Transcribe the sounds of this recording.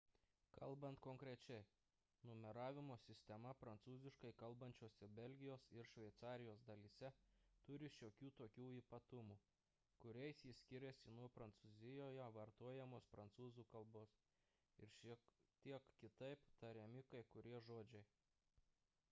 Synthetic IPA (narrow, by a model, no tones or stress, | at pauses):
kɐlˠbɐnt̪kɔŋkɾʲɛt͡ʃʲɛɪ | nʊmʲɛɾɑːʋʲɪmoːsʲɪsʲt̪ʲɛmɐpɾɐnt̪suːzʲɪʃkɐɪkɐlˠbɐnʲt͡ʃʲoːsʲɛbʲɛlʲɡʲɪjoːsɪɾʃʲʋʲɛɪt̪sɑːɾʲɪjoːsd̪ɐlʲiːsʲɛt̪ʊɾʲɪʃʲoːkʲuːt̪oːkʲuːiːpɐt̪ʊmuː | kʊɾʲɛɪsjisʲkʲɪɾʲɛsʲɪnuɔpɾɐnt̪suzʲɪjoːjɛʋɐɾt̪uɔjɛmoːspɾɐnt̪suːzuːkɐlˠboːs | ɪɾʃʲit̪ʲiɛkkʲɪt̪ɐɪpt̪ɐɾʲɛmʲɪkɐɪkʊɾʲiɛʒoːd͡ʒʲɛɪ